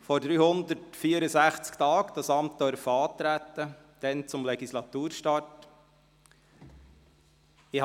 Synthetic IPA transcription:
fɔɾd̪ɾyːhʊnd̪ətfiːəɾəsæχt͡skt̪ɑːkd̥ɑsɑmt̚d̪œɾfəɑːt̪ɾæt̪ːə | d̥ɛnt͡sʊmlɛɡislɑt̪uːɾʃtɑːt | ɪh

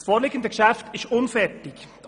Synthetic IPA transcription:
sfoːɾleːɡəndəɡ̥əʃæftɪstʊnfɛɾtɪk

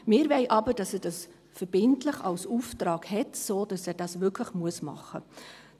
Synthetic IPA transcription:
mɪːɾvɛɪʔɑbəd̥ɑsɛːd̥ɑs | fəɾb̥ɪntləχɑlsuftɾɑːkhɛtsoːd̥ɑsɛːdɑsvʏkʰləχmuəsmɑ̰χə

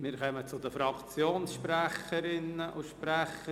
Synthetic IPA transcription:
mɪːɾkʰœmət͡sʊd̪əfɾɑkt͡sjoːnsʃpræχəɾɪnəʔʊʃpɾɛχə

